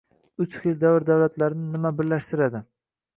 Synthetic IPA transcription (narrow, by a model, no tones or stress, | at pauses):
ʊt͡ʃχilˠd̪awɾd̪awlat̪laɾɪnɪnɪmabɪɾlaʃt̪ɪɾad̪ɪ